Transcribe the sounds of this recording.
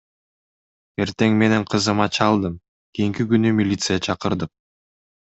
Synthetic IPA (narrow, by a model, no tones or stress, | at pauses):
e̞ɾt̪e̞ŋme̞ne̞ɴqʰɯzɯmɑt͡ʃʰɑlˠd̪ɯm | kʲijiŋkiɡynymʲilʲit̪sɨjɑt͡ʃʰɑqɯɾd̪ɯq̚